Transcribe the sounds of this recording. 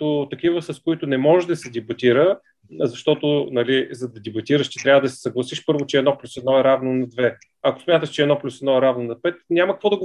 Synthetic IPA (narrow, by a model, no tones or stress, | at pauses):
ʊt̪ɐkivəsɐskoit̪ʊnɛmɔʒʒd̪ɐsɛd̪ʲibɐt̪iɾə | zɐʃt̪ɔt̪ʊnɐlizɐd̪ɐd̪ibɐt̪iɾəʃt͡ʃɛ̥t̪ɾʲavəd̪ɐsɛ̥sɐɡlˠɐsiʃpɤɾvot͡ʃɛɛːd̪nɔplʲusɛd̪nɔɛɾavnonɐd̪vɛ | ɐko̥smʲjat̪əʃt͡ʃɛːd̪nɔplʲusɛd̪nɔɛɾavnonɐpɛt̪nʲamɐkəkvɔd̪ɐɡ